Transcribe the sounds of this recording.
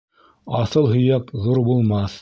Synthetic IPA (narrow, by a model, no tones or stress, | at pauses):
ɑθɤlˠɦɵ̆jækðuɾbulˠmɑθ